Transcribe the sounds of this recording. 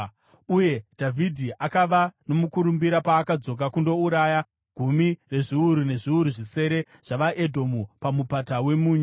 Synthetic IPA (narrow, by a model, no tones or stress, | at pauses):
uje̞dʱavʱidʱiʔakaʋano̞mukuɾumbiɾapaːkad͡zo̞k̬akundo̞uɾaːja | ɡʱumire̞ʐiuɾune̞ʐiuɾuʐise̞ɾe̞ | ʐ̥aʋaʔe̞dʱo̞mupamupatawe̞muːɲ